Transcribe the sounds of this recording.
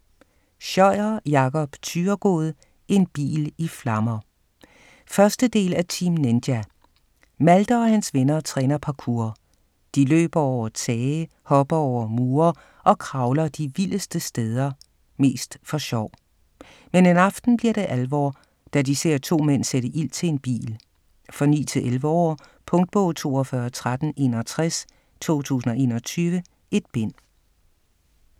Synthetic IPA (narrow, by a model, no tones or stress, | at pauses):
ɕɒɪ̰ɐjɑ̈kʰɒ̽b̥t͡sʰyːɐɡ̥o̝̰ːð̞̩ˠ | ʔe̝nb̥ḭːliflɑ̈mɐ | fɶɐsd̥əd̥e̝̰ːlæt͡sʰimnend̥jæ | mæld̥ɐɒ̽hænsʋenɐt͡sʰʁɛ̰ːnɐpʰɑ̈kʰuːɐ | d̥ilø̰ːb̥ɐɒʊɐt͡sʰɛːə | hɒ̽b̥ɐɒʊɐmuːɐ | ʔɒ̽kʰʁɑ̈ʊlɐd̥iʋiləsd̥əsd̥eð̞ˠɐ | me̝̰ːsd̥fɒ̽ɕɒʊ̰ | menenɑ̈fd̥n̩b̥liɐɾ̥e̝ʔælʋɒ̰ː | d̥ædise̝̰ɐ̰t͡sʰo̝̰ːmen̰seɾəʔil̰t͡sʰe̝e̝nb̥ḭːl | fɒ̽nḭːt͡sʰe̝lʔelʋəɒ̰ː | pʰɔ̽ŋd̥̚b̥ɔ̰̽ʊt͡sʰo̝̰ːɒfɶɐt͡sʰʁad̥n̩e̝ːnɒt͡sʰʁas | t͡sʰo̝̰ːt͡sʰṵːsn̩ɒ̽e̝̰ːnɒ̽t͡sʰyːʋə | e̝d̥̚b̥en̰